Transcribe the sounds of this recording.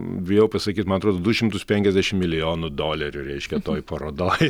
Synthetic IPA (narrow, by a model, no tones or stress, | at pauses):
ʋʲjɛʊpɐsɐkʲiːt̪mɐnɐt̪ɾoːd̪oːd̪uʃʲɪmt̪ʊspʲɛŋkʲɛzʲd̪ʲæʃʲɪmmʲɪlʲɪjoːnʊd̪oːlʲɛɾʲʊɾʲɛɪʃʲkʲɛt̪oːjpɐɾoːd̪oːj